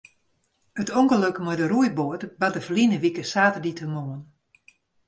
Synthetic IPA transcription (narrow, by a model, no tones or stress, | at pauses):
ətoŋkəløkməjdəɾujboətbat̚dəfəlinəʋikəsaːtəditʰəmoən